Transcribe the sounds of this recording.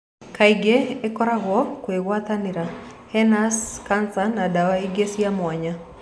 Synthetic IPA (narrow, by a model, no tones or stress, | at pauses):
kʰajɡeɛkɔɾaɣwɔkwewat̪aniɾa | hɛnaskansanadawaiɡesiamwaɲa